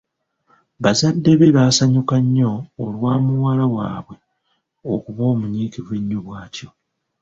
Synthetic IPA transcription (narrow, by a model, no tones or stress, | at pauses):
βazadːe̞βeβaːsaɲukaɲːo̞ːlwaːmuwaːlawa̰ːβwe̞ | okuβo̞ːmuɲiːkivweɲːuβwaːtjo̞